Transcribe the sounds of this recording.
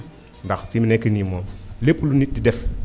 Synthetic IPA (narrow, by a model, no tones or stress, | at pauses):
ndaxfiminɛkənimɔːlepːulunididɛf